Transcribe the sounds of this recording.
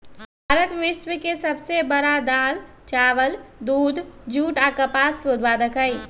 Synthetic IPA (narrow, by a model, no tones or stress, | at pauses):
bʱaːɾət̪ʋɪʃwəkesəbsebəɾad̪aːl | t͡ʃaːʋəld̪uːd̪ʱd͡ʒuːʈakəpaːskeʊd̪̚paːd̪əkɦəj